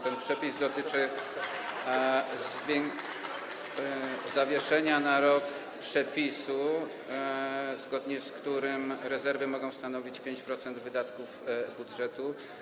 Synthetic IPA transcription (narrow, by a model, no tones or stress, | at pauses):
t̪ɛnpʂɛpʲizd̪ɔt̪ɘt͡ʂɘ | zvʲɛŋ | zavʲjɛʂɛɲanaɾɔk | pʂɛpʲisu | zɡɔd̪ɲɛskt̪uɾɘmɾɛzɛɾvɘmɔɡɔ̃w̃st̪anɔvʲit͡ɕpʲjeɲt͡ɕpɾɔt̪sɛnd̪vɘd̪at̪kuvbudʐɛt̪u